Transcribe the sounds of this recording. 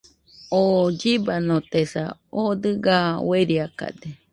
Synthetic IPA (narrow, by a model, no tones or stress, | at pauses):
od͡ʒibanõt̪esa̰od̪ɨɡaweɾiaka̰d̪e